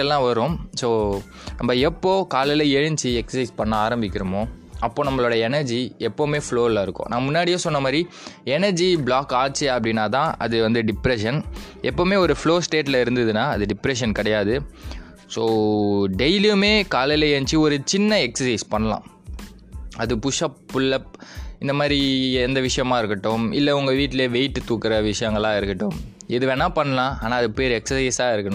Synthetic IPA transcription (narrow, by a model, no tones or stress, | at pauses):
ɛlːãːʋɐɾõsoː | nɐmːɐɛpːoːkaːlɛlɐɛɻɯɲt͡ʃiɛksɐsɐɪspɐɳːaaːɾɐmbɪkʲːɪɾɯmoːɐpːoːnɐmːɐɭoːɽɐɐɛnɐɾd͡ʒiɛpːoːmeːfɭoːɪlɐɪɾɯkːõ̰ːnãːmʊnːaːɽɪjeːsɔnːɐmaːd̪ɾi | ɛnɐɾd͡ʒibɭaːkaːt͡ʃːɯɐpːɐɽɪnːaːt̪ãːʔɐ̰ðɯʋɐnd̪ɯɖɪpɾɛʂɐnɛpːoːmeːɔɾɯfɭoːsʈeːʈlɐɪɾɯnd̪ɐðɯnːaːɐðɯɖɪpɾɛʂ̬ɐnkɪɽɐjaːðɯ | soːɖɛɪlɪjɯmeːkaːlɐleent͡ʃːɯɔɾɯt͡ʃɪnːɐɛksɐsɐɪspɐɳːɐlã̰ː | ɐðɯpʊʂɐpːɯɭːɐɪnd̪ɐmaːd̪ɾiɛnd̪ɐʋɪʂɐjɐmãːɪɾɯkːɐʈːʊmɪ̰lːɐʊŋɡɐʋiːʈːɪleːʋɛɪʈːɯt̪uːkːɪɾɐʋɪʂɐjɐŋɡɐɭãːɪɾɯkːɪʈːʊ̃m | ɪðɯʋɛnãːpɐɳːɐlãːʔaːnãːɐðɯpeːɾɛksɐsɐɪsaːɪɾɯkːɐɳʊ̃